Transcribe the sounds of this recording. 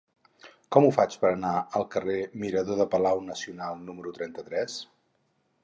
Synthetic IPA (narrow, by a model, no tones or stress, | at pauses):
kɔmufat͡ʃpəɾənaəlˠkəremiɾəðoðəpəlawnəsiunalˠnuməɾut̪ɾɛnt̪ət̪ɾɛs